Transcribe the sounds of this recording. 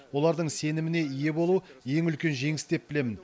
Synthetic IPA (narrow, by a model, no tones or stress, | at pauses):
wo̞lˠɑɾd̪əɴse̞nɪmɪne̞ije̞bo̞lˠuje̞ŋʏlkʲe̞nʒe̞ŋɪst̪e̞p̚bɪle̞mɪn